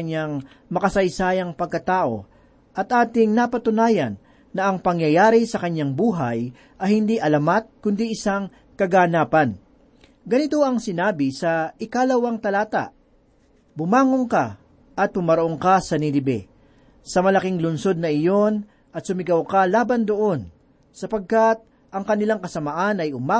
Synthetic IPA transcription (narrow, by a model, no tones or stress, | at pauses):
ɐɲːaŋ | mɐkɐsɐjsaːjɐŋpɐɡ̚kːɐt̪aːʔo̞̰ | ʔɐt̪ʔaːt̪ɪŋnɐpɐt̪ʊnaːjɐnː | ɐʔɐŋpɐŋjɐjaːɾɪsɐkɐɲːaŋbuːɦɐj | ʔɐjhɪnd̪iʔɐlɐmat̪̚kʊnd̪iʔɪsaŋ | kɐɡanaːpɐn | ɡɐnɪt̪o̞ʔɐŋsɪnaːbɪsɐʔɪkalɐwɐŋt̪ɐlaːt̪a̰ʔ | bʊmaːŋoŋka | ʔɐt̪̚bʊmɐɾoʔoŋkasɐnilɪbɛ̰ | sɐmɐlɐkiŋlʊnso̞d̪̚nɐʔɪjo̞n | ɐt̪sʊmɪɡɐwkalaːbɐnd̪oʔo̞n | sɐpɐɡ̚kat̪̚ | ʔɐŋkɐnɪlaŋkɐsɐmaʔanɐjʊma